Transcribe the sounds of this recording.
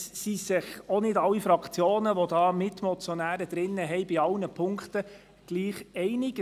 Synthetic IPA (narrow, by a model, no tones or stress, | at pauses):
ssisɪχɔnɪdɑlːifɾɑkt͡sjoːnəʋɔd̥ɑːmɪtmɔt͡sjɔnæːɾəd̥̪ɾɪnːəɦɛɪbɪɑlnəpʰʊŋkt̪ə | ɡ̥liːχɛɪnɪɡ